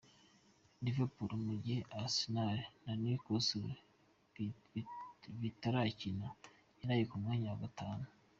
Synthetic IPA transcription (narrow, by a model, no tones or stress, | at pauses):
divapuɾomuɟieʔasinaɾenanikosu | βitaɾacina | jinajikumŋaɲaɡataːnu